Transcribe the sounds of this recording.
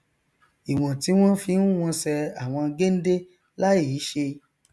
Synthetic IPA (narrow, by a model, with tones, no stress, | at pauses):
i˨w̃ɔ̃˨ti˨˦w̃ɔ̃˦fĩ˧˦ũ˦w̃ɔ̃˧sɛ˧a˨w̃ɔ̃˧ɡe˦n̩˦de˦ | la˦i˦˨i˨˦ʃe˧